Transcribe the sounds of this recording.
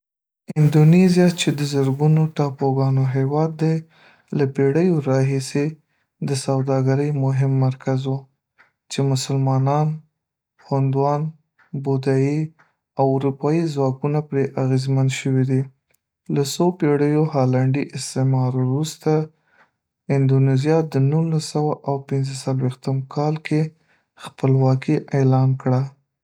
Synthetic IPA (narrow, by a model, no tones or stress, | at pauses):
ɪnd̪onezjat͡ʃed̪əzəɾɡunoʈɑpoɡɑnoɦewɑd̪ːaj | lapeɽəjoɾɑɦise | d̪əsawd̪ɑɡaɾəjmʊɦɪmːaɾkazwu | t͡ʃemʊsəlmɑnɑn | xʊnd̪wɑn | bod̪aji | awʊɾupɑizwɑkunapɾeʔaɣezmanʃəwid̪i | lasopeɽəjohɑlaɳɖiʔɪst̪emɑɾɾust̪a | ɪnd̪onezijɑd̪ənulasawaʔawpɪnzəsalwext̪əmkʰɑlke | xpəlwɑkiʔelɑnkɽa